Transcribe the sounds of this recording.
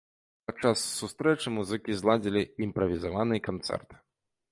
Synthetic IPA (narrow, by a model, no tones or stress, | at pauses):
pɐt͡ʂasːust̪ɾɛt͡ʂɨmuzɨkʲizlˠad͡zʲilʲiːmpɾɐvʲizavanɨjkant̪sɛ̰rt̪